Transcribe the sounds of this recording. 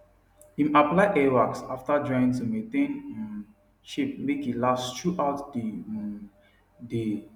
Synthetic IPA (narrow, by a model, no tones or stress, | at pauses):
ĩməplaɪʔɛwaksaftəd͡ʒɔ̃j̃nsəmẽtẽñ | ʃip̚mekilastuʔaʊtdi | di